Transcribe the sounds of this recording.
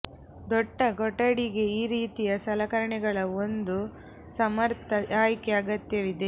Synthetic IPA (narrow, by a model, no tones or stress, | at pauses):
d̪ɔɖːɐɡɔʈːɐɽiɡe̞iːɾiːt̪ijɐsɐlɐkɐɾɐɳɛɡɐɭɐo̞nd̪u | sɐmɐɾt̪ʰɐaːjkeɐɡɐt̪jɐʋid̪e̞